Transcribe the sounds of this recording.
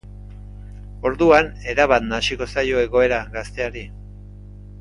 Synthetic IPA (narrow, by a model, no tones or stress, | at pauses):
o̞ɾðuane̞ɾaβat̪nasiko̞sajo̞e̞ɣo̞e̞ɾaɣast̪e̞aɾi